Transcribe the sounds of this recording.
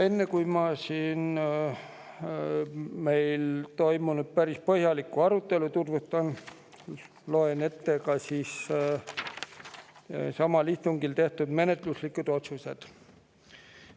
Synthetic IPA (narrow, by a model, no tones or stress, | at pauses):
e̞nːekujmɑsiːn | me̞jlt̪o̞jmunud̪̥̚pæɾispɤhjɑlikːˑuɑɾut̪ˑːe̞lut̪urvut̪ːˑɑn | lo̞enet̪ːe̞kɑsiːs | sɑmɑliht̪uŋɡ̥ilt̪e̞ht̪ud̪̥me̞ne̞t̪ˑluslikːud̪̥o̞t̪suse̞d̪̥